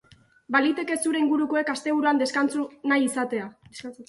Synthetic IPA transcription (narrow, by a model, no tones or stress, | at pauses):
balit̪e̞ke̞suɾe̞iŋɡuɾuko̞e̞kast̪e̞β̞uɾuand̪e̞skant͡sunajisat̪e̞a